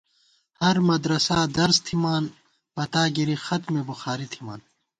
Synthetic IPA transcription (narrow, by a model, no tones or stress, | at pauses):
hɐɾmɐd̪ɾɐsaːd̪ɐɾst̪ʰimaːn | pɐt̪aːɡiɾixɐt̪mebuxaːɾit̪ʰima̰ːn